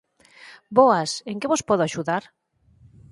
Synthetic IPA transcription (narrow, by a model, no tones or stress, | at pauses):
bɔaseŋkeβospɔð̞ʊaʃuðaɾ